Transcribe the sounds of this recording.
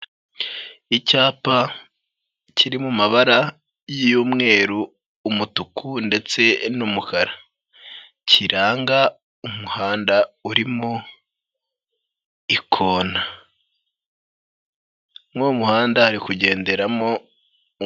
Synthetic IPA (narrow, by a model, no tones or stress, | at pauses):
icaːpa | cʰiɾimumaβaɾa | jijuːmŋe̞ːɾuː | mutukʰunde̞t͡se̞numukaɾa | cʰiɾaːŋɡa | umuhaːndauɾimo | ikʰoːna | moumuhaːndahaɾikuɟe̞ːnde̞ɾamo̞